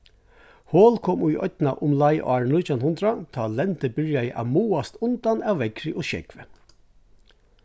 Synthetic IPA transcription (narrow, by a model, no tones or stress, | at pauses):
hoːlkʰɔmujʔœ̰t̪na̰ʔʊmlaɪʔɑːɹnut̪ʰanhʊnd̪ɾat̪ʰɑːlɛnt̪əbʏɹjajəʔa̰ʋmuːast̪ʊnt̪anaːwʋɛkɾɪʔɔʃɛ̰kʋə